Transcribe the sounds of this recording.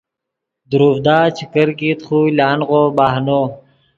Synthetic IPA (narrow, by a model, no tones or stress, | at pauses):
d̪uɾuːvd̪aːt͡ɕʰikəɾkiːt̪χuːlaːnʁoːbaːɦnoː